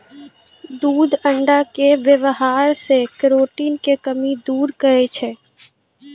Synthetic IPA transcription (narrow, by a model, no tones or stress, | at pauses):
d̪uːd̪ʱə̃ɳɖakeʋəʋɦaːɾsekɾoːʈiːnkekəmid̪uːɾkəet͡ʃʰeː